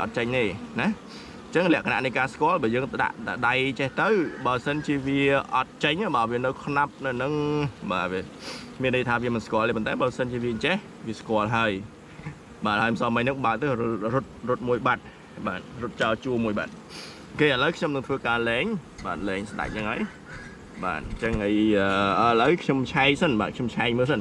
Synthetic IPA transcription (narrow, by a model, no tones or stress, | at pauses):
ʔɑ̰t̪̚t͡ɕəɲt̪eːnɛh | ɲt͡ɕəŋlɛ̆əʔkʰana̰ʔniəkaːskoəlɓaːjəːŋt̪əɗa̰ʔɗaɗajt͡ɕeht̪ɨwɓaːəsənt͡ɕiəʋiəʔɑt̪̚t͡ɕəɲʔaɓaːʋiənɨwkʰnap̚nɨwnɨŋɓaːʋiə | miənːəjt̪ʰaːʋiəmɨnskŏəleːpont̪aɛɓaəsənt͡ɕiəʋiəɲt͡ɕeh | ʋiəskŏəlɦaəj | ɓaːt̪̚haəjməsɑːməɲnɨŋɓaːʔ̚t̪ɨrʊt̪̚rʊt̪̚muəjɓat̪̚ | ɓaːt̪̚rʊt̪̚t͡ɕaɔt͡ɕuəmuəjɓa̰ːt̪̚ | keːʔələwkʰɲomnɨŋt̪ʰʋəːkaːlɛːŋɓaːt̪̚lɛːŋsɗa̰k̚nəŋʔa̰əj | ɓa̰ːt̪̚t͡ɕəŋʔəjəːəələwkʰɲomt͡ɕʰaɛjsənɓa̰ːt̪̚kʰɲomt͡ɕʰaɛc̚məːlsən